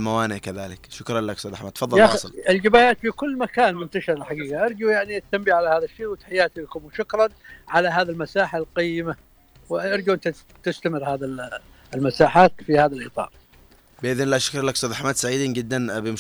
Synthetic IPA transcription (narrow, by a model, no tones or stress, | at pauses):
lmawaːnɪʕkaðaːlɪkʃʊkɾˤɑnlakst̪ad̪ʔaħmad̪t̪ːfɑðˤːɑlaɑsˤlɪld͡ʒɪbaːjaːt̪fikʊlːmakaːnmʊnt̪aʃɪɾˤalħaɡiːɡaʔɑɾˤd͡ʒujaʕniat̪ːambiʕalahaːðaʃːeːwɪt̪ḁħɪjːaːt̪ilakʊmʊʃʊkɾˤɑnʕalaɦaːðilmasaːħalqajːɪma | wʔʔɑɾˤd͡ʒuʔɪnt̪a | t̪ɪst̪amɪɾhaːði | ɪlmasaːħaːt̪fihaːðalʔɨt̪ˤɑ̰ːɾˤ | bɪʔɪðɪnlaʃʊ̥kɾlakst̪aːd̪ʔaħmad̪saʕiːd̪iːnd͡ʒɪd̪ːanbɪmʊ